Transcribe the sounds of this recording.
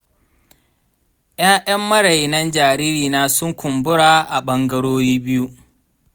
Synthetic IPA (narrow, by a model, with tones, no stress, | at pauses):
ʔj̰aː˦jɐ˦mːɐ˦ɽa˨jnɐ˦nd͡ʒaː˨ɾiː˦ɾiː˨naː˦sʊ˦ŋkʷʊ˨mbʊ˦ɽaː˨ʔa˨ɓɐ˦ŋɡɐ˦ɽoː˦jiː˦bɪ˦ju˦